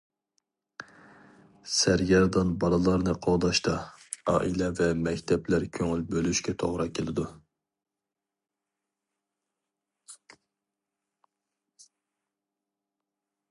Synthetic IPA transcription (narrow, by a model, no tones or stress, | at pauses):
sæɾɡʲɛɾd̪ɑnbɑɾɨlˠɑɾnɨqʰɑwd̪ɑʃt̪ɑɑ̰ːʔilɛvɛmɛkʲt̪ʰɛplæɾkʲʰøŋylbølyʃkʲɛt̪ʰoʁɾɑkʲʰelɪd̪u